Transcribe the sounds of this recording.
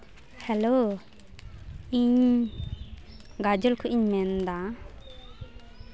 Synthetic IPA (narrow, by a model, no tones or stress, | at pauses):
hɛlo | iɲ | ɡad͡ʒɔlkʰɔʔiɲmɛnd̪a